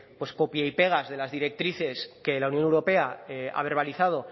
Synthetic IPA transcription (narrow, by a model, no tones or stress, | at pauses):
pwe̞sko̞pjaipe̞ɣ̞azðe̞lazðiɾe̞k̚t̪ɾiθe̞ske̞launjonewɾo̞pe̞aa̰β̞e̞ɾβ̞aliθað̞o̞